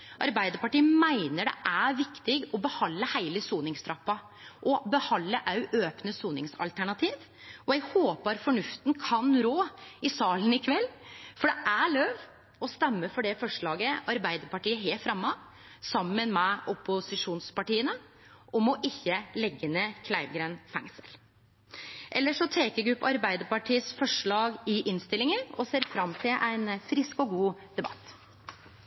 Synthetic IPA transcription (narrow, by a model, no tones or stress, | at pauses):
ʔɑ̰ɾbæɪd̪əɾpɑʈiːəmæɪnəɖɛ̰ʔæʋɪkt̪ɪɡɔbəhɑlːəhæɪləsuːnɪŋst̪ɾɑpːɑ | ʔɔbəhɑlːəʔɑʉʔøːpnəsuːnɪŋsɑ̰lt̪ʰæɳɑt̪ʰiːʋ | ɔɛɡhoːpəɾfɔɳʉft̪nkʰɑnɾoːɪsɑːlənɪkʰʋɛlːfɔɖɛʔæɭøːʋ | ɔst̪ɛmːəɾfɔɖɛfɔʂɭɑːɡəɑɾbæɪd̪əɾpɑʈiːəɦeːfɾɑmːɑ | sɑmːənmɛʊpʊsɪʂuːnspɑʈiːənə | ʔɔmɔʔɪçːəlɛɡːənəkʰlæɪʋɡɾeːnfæ̰ŋsəl | ʔɛlːəʂɔt̪ʰeːkəɾɡɾʉpːɑɾbæɪd̪əɾpɑʈʰiːəsfɔʂɭɑːɡɪʔɪnst̪ɪlːɪŋənɔseːɾfɾɑmt̪ʰɪlʔæɪnfɾɪskɔɡuːd̪̥ɛbɑ̰t̪ː